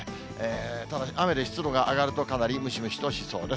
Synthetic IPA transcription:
eːt̪ad̪aame̞d̪eçi̥t͡sɨd̪o̞ɡaʔaɡaɾɯ̟t̪o̞kanaɾʲimɯ̟ɕimɯ̟ɕi̥t̪o̞ɕiso̞ːd̪e

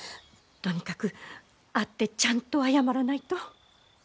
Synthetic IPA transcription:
t̪o̞ɲ̟ikakɯ̟ | at̪ːe̞t͡ɕãnt̪o̞ajamaɾanait̪o̞

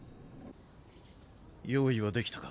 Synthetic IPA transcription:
joːiβad̪e̞kʲi̥t̪ḁkḁ

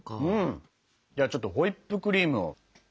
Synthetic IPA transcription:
ɯ̟̃ | d͡ʑaːt͡ɕo̞t̪ːo̞ɦo̞ipːɯ̟kɯ̟ɾʲiːmɯ̟o̰

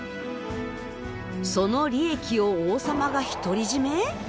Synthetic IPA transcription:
so̞no̞ɾʲie̞kʲio̞oːsamaɡaçi̥t̪o̞ɾʲiʑime

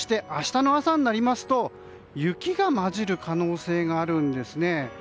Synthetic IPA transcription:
ɕi̥t̪e̞ʔaɕi̥t̪ano̞asaɲ̟inaɾʲimasɨ̥t̪o̞ | jɯ̟kʲiɡamaʑiɾɯ̟kʰano̞ːse̞ːɡaːɾɯ̟̃nd̪e̞sɨne̞

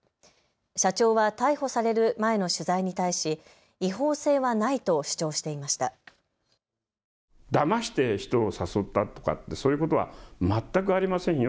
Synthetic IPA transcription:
ɕat͡ɕo̞ːβat̪aiho̞saɾe̞ɾɯ̟mae̞no̞ɕɨzaiɲ̟it̪aiɕi | iɦo̞ːse̞ːβanait̪o̞ɕɨ̥t͡ɕo̞ːɕi̥t̪e̞imaɕi̥t̪a | d̪amaɕi̥t̪e̞çi̥t̪o̞ːsaso̞t̪ːat̪o̞ka̰t̪ːe̞so̞ːjɯ̟ko̞t̪o̞βa̰mat̪ːak̬ɯ̟aɾʲimasẽ

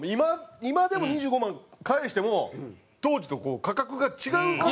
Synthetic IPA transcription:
imaimad̪e̞mo̞ɲ̟iʑɨːɡomãŋkaeɕi̥t̪emo̞ | t̪o̞ːd͡ʑit̪o̞ko̞ːkakakɯ̟ɡat͡ɕiɡaɯ̟ka

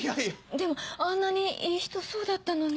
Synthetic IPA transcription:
aid̪e̞mo̞ãnːaɲ̟iʔiːçi̥t̪o̞so̞ːd̪at̪ːano̞n

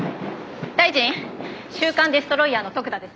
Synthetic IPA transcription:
d̪̥aiʑĩɰɕɨːkãnd̪e̞sɨ̥t̪o̞ɾo̞iano̞t̪o̞kɯ̟d̪ad̪e̞sɨ̥

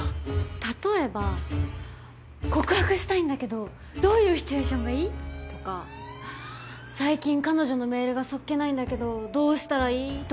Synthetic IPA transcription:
t̪at̪o̞e̞ba | ko̞kɯ̟hakɯ̟ɕi̥t̪aĩnd̪ake̞d̪o̞ | d̪o̞ːjɯ̟ːçi̥t͡sɨe̞ːɕõ̞ŋɡaiːt̪o̞ka | saikʲĩŋkano̞ʑo̞no̞me̞ːɾɯ̟ɡaso̞kːe̞naĩnd̪ake̞d̪o̞d̪o̞ːɕi̥t̪aɾaiːt̪

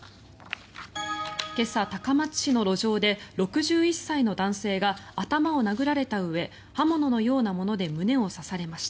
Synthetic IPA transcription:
ke̞sat̪akamḁɕino̞ɾo̞ʑo̞ːd̪e̞ɾo̞kɯ̟ʑɨːisːaino̞d̪ãɰ̃se̞ːɡaːt̪amao̞naɡɯ̟ɾaɾe̞t̪aɯ̟βe̞ | hamo̞no̞no̞jo̞ːnamo̞no̞d̪e̞mɯ̟ne̞o̞sasaɾe̞maɕi̥t̪ḁ

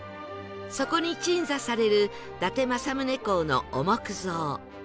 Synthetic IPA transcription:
so̞ko̞ɲ̟it͡ɕĩñzasaɾe̞ɾɯ̟ | d̪̥at̪e̞masamɯ̟ne̞ko̞ːno̞̰omokɯ̟zoː

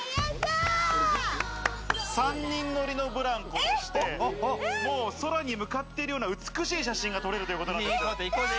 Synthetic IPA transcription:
sãɲ̟ːĩnːo̞ɾʲino̞bɯ̟ɾãŋkot̪oɕi̥t̪e̞mo̞ːso̞ɾaɲ̟imɯ̟kat̪ːe̞iɾɯ̟jo̞ːnaɯ̟t͡sɨ̥kɯ̟ɕiːɕ̬aɕĩŋɡat̪o̞ɾe̞ɾɯt̪ojɯkoonand

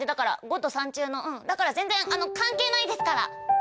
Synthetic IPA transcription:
d̪ed̪akaɾa̰ɡo̞t̪o̞sãɲ̟t͡ɕɨːno̞ʔɯ̟̃ɴd̪akaɾazẽ̞nd͡zẽ̞ŋano̞kãŋke̞ːnaid̪e̞sɨ̥kaɾa̰

